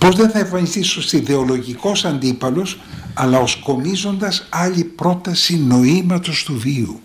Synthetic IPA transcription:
po̞zðe̞nθɐefɐɲist̪iso̞st̪iðe̞o̞lo̞ʝiko̞sɐnd̪ipɐlo̞s | ɐlɐo̞sko̞mizo̞nd̪ɐsɐʎipɾo̞t̪ɐsino̞imɐt̪o̞st̪uviṵ

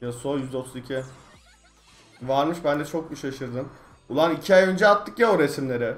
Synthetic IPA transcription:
jasojyzd̪ɛot̪ʰuzicʲʰi | vaɾmɯʃbænd̪ɛt͡ʃʰo̞k̚biʃaʃɯɾd̪ɯm | ulˠanicʰiajønd͡ʒɛat̪ʰːɯkjaɾesimlʲe̞ɾɪ

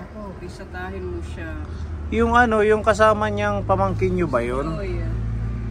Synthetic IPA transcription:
opisɐt̪aːhɪlmʊʃajʊŋʔɐno̞jʊŋkɐs̬aːmɐɲaŋpɐmɐŋkɪnɲobɐjonja

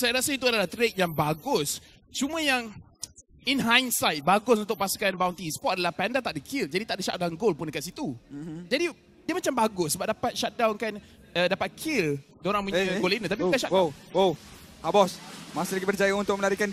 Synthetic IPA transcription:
sajaɾasəit̪̬uadalaht̪ɾek̚jaŋbaɡʊs | t͡ʃumə̃jaŋ | inɦajnsajt̪̚baɡʊsunt̪ʊk̚pasu̥kanbawnt̪ispɔt̪ʔadalahpandat̪aʔdəkʰɪld͡ʒadit̪aʔdəʃa̰ʔ̚dawnɡolpʊndəkat̪̚sit̪ud͡ʒadi | diəmat͡ʃambaɡʊsːəbap̚dapat̪̚ʃak̚dawnkan | ədapat̪̚kʰɪl | doɾaŋpuɲə̃ɡolinət̪ap̬ikaʃawohabɔsmasɪlaɡibərd͡ʒajaunt̪ʊk̚mə̃nlaɾikan

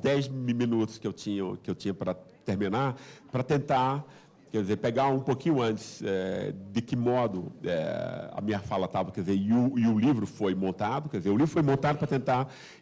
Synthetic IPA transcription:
d̪ɛjzmmĩnut̪ʊ̥skɪewt͡ʃĩɲɐ̰kɪewt͡ʃĩɲɐpɾɐ | t̪eɾmĩnapɾɐt̪ẽnt̪a | kɛɾd̪ɪzeɾpeɡaũpokĩɲʊɐ̃nt͡ʃɪ̥sɛd̪ɪkɪmɔd̪ʊɛ̰ɐ̰mĩɲɐfalɐt̪avɐkɛɾd̪ɪzeɾɪʊɪʊlivɾʊfojmõnt̪ad̪ʊkɛdɪzeɾʊlivɾʊfojmõnt̪ad̪ʊpɾɐt̪ẽnt̪a

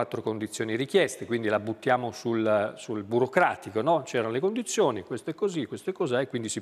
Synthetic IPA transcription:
at̪ːɾokond̪it̪sːjoːniɾikjɛst̪ekwind̪ilabːut̪ːjaːmosulsulbuɾokɾaːt̪ikonɔt͡ʃɛːɾanolekond̪it̪sːjoːnikwest̪oɛkːozikːwest̪oɛkːozaekwind̪isi

